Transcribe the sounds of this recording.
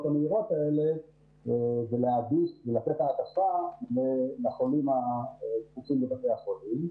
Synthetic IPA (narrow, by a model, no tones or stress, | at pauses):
t̪ameiʁo̞t̪ae̞le̞ | veleaɡiʃvelatetaːtafalelaχolimaetfut͡simbekafejhaχolim